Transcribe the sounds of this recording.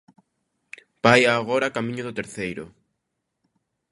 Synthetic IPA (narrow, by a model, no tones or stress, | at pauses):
b̥ajaːɣ̞oɾakamĩɲʊðʊt̪eɾθejɾʊ̰